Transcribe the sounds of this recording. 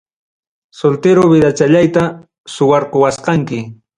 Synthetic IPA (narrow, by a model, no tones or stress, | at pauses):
solt̪eɾobɪd̪at͡ʃaʎajt̪a | sʊwɑɾqowasqɑŋkɪ